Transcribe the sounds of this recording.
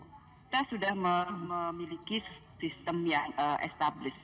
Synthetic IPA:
ki̥t̪asudahməməmilikissist̪əmjaŋəʔɛ̰st̪ablɪs

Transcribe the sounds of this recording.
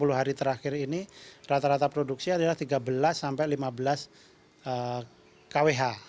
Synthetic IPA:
puluɦaɾit̪əɾaxɪrinirat̪aɾat̪apɾoduk̚siadalaht̪iɡabəlasːampajlimabəlas | ə | kaweɦa

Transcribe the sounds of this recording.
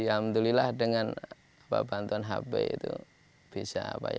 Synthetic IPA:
iamt̪ulilahdəŋan | apa̰bant̪uanɦa̰bɛḭt̪u | b̥isaːpaj

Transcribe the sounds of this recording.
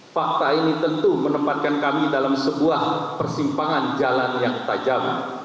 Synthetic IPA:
fak̚t̪ainit̪ənt̪umənəmpat̪̚kankamidalamsəbuahpərsimpaŋand͡ʒalanjaŋt̪ad͡ʒawṵ

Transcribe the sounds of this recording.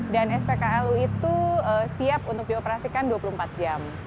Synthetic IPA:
danɛspekaɛluit̪uəsiapunt̪ʊk̚diopəɾasikanduwapuluhəm̩pat̪̚d͡ʒam

